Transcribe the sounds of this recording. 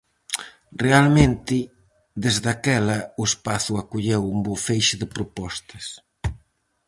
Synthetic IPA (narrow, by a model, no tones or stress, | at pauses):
realmẽnt̪ɪ | ðezðakɛlɐʊespaθuakuʎewumbofejʃɪðɪpɾopɔst̪ɐs